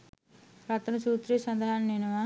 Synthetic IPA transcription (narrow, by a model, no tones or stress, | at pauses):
ɾɐt̪ːɐnusuːt̪ɾiːsɐnd̪ɐɦaːnniːnɐʋaː